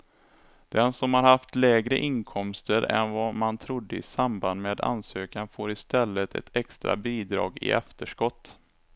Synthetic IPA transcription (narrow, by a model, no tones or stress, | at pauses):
d̪̥ɛnsɔmhaɾhaft̪lɛːɡɾə̰ʔɪnkʰɔmst̪əɾɛ̰nvɑmant̪ʰɾʊd̪ːəɪ̰samband̪meːd̪a̰nsøːkanfoːɾɪst̪ɛlːət̪ʰɛ̰t̪ʰɛkst̪ɾa̰biːd̪ɾɑ̰ːɡɪ̰ɛ̰ft̪əʂkɔt̪ː